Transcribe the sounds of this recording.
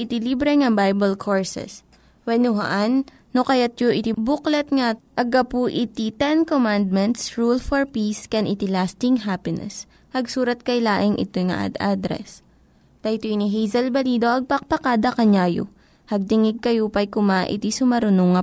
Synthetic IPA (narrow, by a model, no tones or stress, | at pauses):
ɪt̪ɪlibɾɛŋɐbajbɐlkʰoɹsɛ̰s | wɛnʊɦɐ̰ʔanː | okɐjat̪̚joʔɪt̪ibuklɛt̪ŋaʔɐɡɐpuʔɪt̪it̪ɛnkomand̪̚mɛnt̪sɹulfɔɹpiskɛnʔɪt̪ilast̪ɪŋɦapɪnɛ̰s | hɐɡsuːɾɐt̪̚kɐjlaːʔɪŋʔɪ̰t̪ojŋɐ̰ʔa̰d̪ʔad̪ɾɛ̰s | d̪ɐjt̪oiniɦɛjzɐlbɐliːd̪oʔɐɡ̚pɐk̚pɐkaːd̪ɐkɐɲaːjo̰ | hɐɡ̚t̪ɪŋɪɡ̚kɐjupɐjkʊmaʔɪ̰t̪isʊmɐɾʊnoŋːɐ